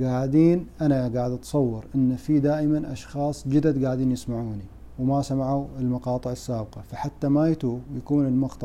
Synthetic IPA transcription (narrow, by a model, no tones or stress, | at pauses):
ɡaːʕd̪iːnʔanaɡaːʕɪd̪ʔat̪sˤɑwːɪɾʔɪnːfid̪aːʔɪmanʔɑ̰ʃxɑːsˤd͡ʒɪd̪ad̪ɡaʕd̪iːnjɪsmaʕuːni | wmasamaʕuɪlmɑqɑːt̪ˤɨʕɪsːaːb̚qɑfaħat̪ːamajat̪uːjakuːnɪlmʊqt̪